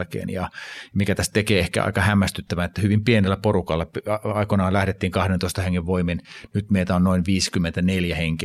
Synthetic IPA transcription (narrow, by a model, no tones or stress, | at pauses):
lkḛːnjɑmikæt̪æst̪ekeːehkæ̰ɑ̰ikɑhæmːæst̪yt̪ːæʋænet̪ːæhyʋimpienelːæporukɑlːɑpɑikonɑːlæhɾet̪ːiːŋkɑhdent̪oist̪ɑheŋːeʋʋoiminnyt̪meit̪æonnoinʋiːskymːent̪æneljæheŋki